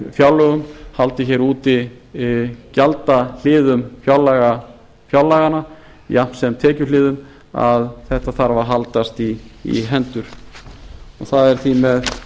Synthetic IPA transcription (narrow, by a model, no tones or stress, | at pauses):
fjawlːœɣʏmhalt̪ɪçɛːɾuːt̪ɪ | calt̪al̥ɪːðʏmfjawlːaɣa | fjawlːaɣana | jan̥sɛmt̪ʰɛːcʏlɪːðʏm | a̰ðθɛht̪aθaɾvaɾɦalt̪ast̪ḭːɦɛnt̪ʏɾ̥ | ɔ̰θaðɛɾ̥θimɛð